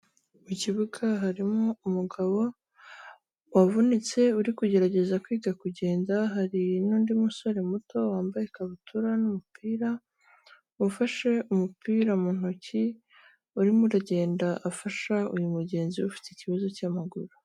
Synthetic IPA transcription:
muciβuɡaɦaɾimoumuɡaβo̞ | wavunit͡se̞uɾikuɟe̞ɾaɟe̞zakwiːɡakuɟe̞ːndaɦaɾinuːndimuso̞ɾe̞muto̞waːmbajekaβutʰuɾanumupiːɾa | ufaʃe̞umupiːɾamuːn̥uci | uɾimuɾaɟe̞ːndaʔafaʃaujumuɟe̞ːnziufi̥ticiβazo̞caːmaɡuɾu̥

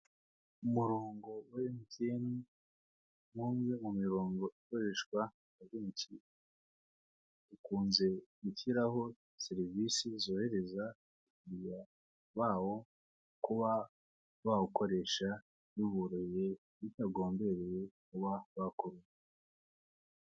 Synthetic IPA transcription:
umuɾoːŋɡo̞wemiteni | muːmŋe̞mumiɾoːŋɡo̞ʔiko̞ɾe̞ʃkwa | aβiːɲt͡ʃi | ukuːnze̞ɡuçiɾaɦo̞ | seɾivisizo̞ːhe̞ɾe̞za | uɡija | βaːwo̞ | kuβa | βauko̞ɾe̞ʃa | juβuɾoje | jitaɡo̞ːmbe̞ɾejekuβaβakuɾu

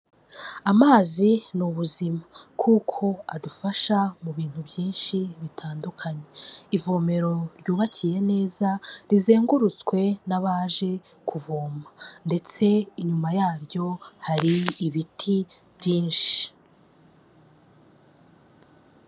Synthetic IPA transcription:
amaːzinuβuzimakʰuːkʰo̞a̰dufaʃamuβiːn̥hubjiːnʃiβitʰaːndukʰaɲe̞ivoːme̞ɾo̞ɾjuːβacʰije̞ne̞ːzaɾize̞ːŋɡuɾut͡skwe̞naβaːʒe̞kʰuvoːmande̞t͡se̞iɲumajaːɾjo̞haɾiːβitʰibjiːnʃi̥

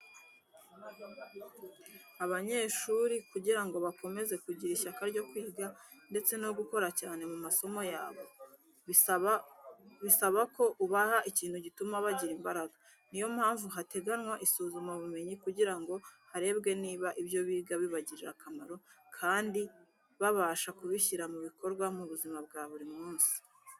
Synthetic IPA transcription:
aβaɲe̞ːʃuːɾikuɟiɾaŋɡo̞βako̞me̞ze̞kuɟiɾiʃakaɾɟo̞kwiːɡa | nde̞t͡se̞no̞ɡuko̞ɾacaːne̞mumaso̞mo̞jaːβo̞ | βisaβako̞ʔuβahaʔiciːnhuɟitumaβaɟiɾimbaɾaɡa | nijo̞mhaːɱvuɦate̞ɡanwaʔisuːzumaβume̞ɲikuɟiɾaŋɡo̞haɾe̞ːbɡe̞niːβaʔibjo̞βiːɡaβiβaɟiɾiɾa̰kʰamaɾo̞kʰaːndi | βaβaːʃakuβiçiɾamuβiko̞ɾɡwamuβuzimab̚ɡaːβuɾimŋuːnsi̥

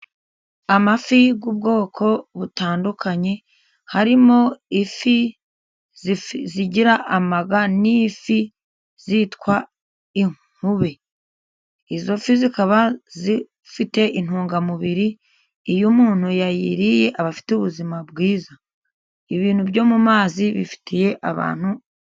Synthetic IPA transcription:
amafiɡuːb̚ɡo̞ːkʰo̞βutaːndukʰaɲe̞ | haɾimo̞ifi | zziɟiɾaʔamaɡanifi | zitkwa | iŋ | huβe | izo̞fizikaβazi | fite̞ʔin̥huːŋɡamuβiɾiː | jumuːn̥hujajḭɾije̞ʔaβafi̥tuβuzimabɡiːza | iβiːn̥huβjo̞ːmumaːziβḭfi̥tʰije̞ʔaβa̰ːn̥hu

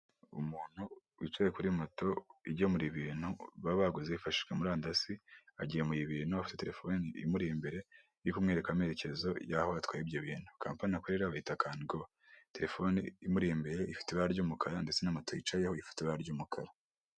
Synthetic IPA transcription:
ṵmuːn̥hu | itwejekuɾimoto̞iɟomuɾiβiːnhuβaβaɡozeifaʃi̥ʒwemuɾaːndasia̰ɟijemujiβiːn̥huafi̥tete̞ɾe̞fo̞niḭmuɾiimbe̞ɾe̞ | jukumŋe̞ɾe̞kame̞ːɾece̞zo̞jahoatwaibjoβiːn̥hukʰa̰ːmpanakoɾeɾaβahitakaːnɡo | te̞ɾe̞fo̞nḭːmuɾijimbe̞ɾe̞ifi̥teβaɾɟumukʰaɾandet͡se̞namoto̞it͡ʃajehoifi̥teβaɾɟumukʰa̰ɾa

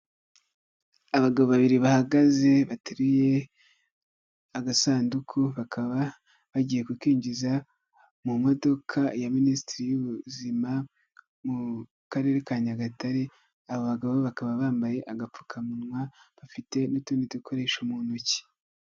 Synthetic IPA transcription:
aβaɡaβoβaβiɾiβahaɡaze̞βatuɾije̞ | aɡasaːndukʰuβakʰaβa | βaɟije̞kukiːɲɟiza | mumo̞do̞kʰajaministiɾijuβuzima | mu | kaɾe̞ɾekaːɲaɡataɾe | aβoβaɡaβoβakaβaβaːmbaje̞ʔaɡap͡fu̥kʰamunŋwaβafite̞nutuːnditukʰo̞ɾe̞ːʃomunoci̥

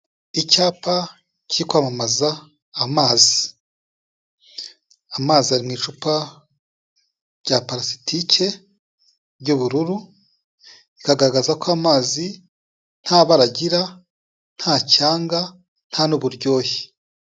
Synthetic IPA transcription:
icaːpa | ciɾikwaːmamazaː | maːzi | amaːziaɾimŋiːt͡ʃupa | ɾɟ̥apaɾasi̥tʰicʰe̞ | bɟuβuɾuɾu | ikaɡaɾaɡazakoamaːzi | n̥haβaɾaɟiɾa | n̥hacaːŋɡa | n̥hanuβuɾɟo̞ːje̥

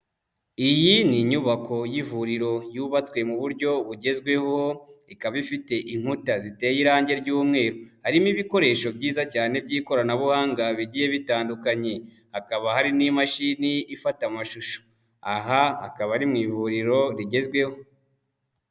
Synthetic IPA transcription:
ijiniɲuβako̞jivuɾiɾo̞juβat͡swe̞muβuɾɟo̞βuɟe̞zɡwe̞ho̞ikaβaifite̞ʔiŋ̥hutazite̞ːjiɾaːɲɟe̞ɾɟuːmŋe̞ːɾohaɾimiβiko̞ɾe̞ːʃo̞bɟiːzacaːne̞b̚ɟiːko̞ɾanaβuhaːŋɡaβiɟiːje̞βitaːndukaɲe̞ | hakaβahaɾinimaʃiniːfatamaʃuʃo̥ | aɦaa̰kaβaɾimŋiːvuɾiɾo̞ɾiɟe̞zɡwe̞ho̞

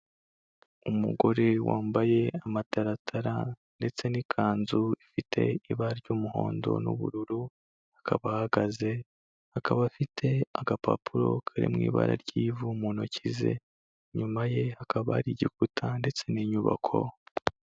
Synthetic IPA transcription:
umuɡo̞ɾe̞waːmbaje̞amataɾatʰaɾa | nde̞t͡se̞nikʰaːnzuifitʰe̞̰iβaɾaɾɟuːmuho̞̰ːndo̞̰nṵβṵɾuɾu | akʰaβahaɡaze̞ | hakaβaːfitʰe̞aɡapʰa̰pʰuɾo̞kʰaɾḭmŋiːβa̰ɾa̰ɾɟiːvumunocize̞̰ | ɲumaje̞hakʰaβaɾiɟikutʰande̞t͡se̞niːɲuβa̰kʰo̰

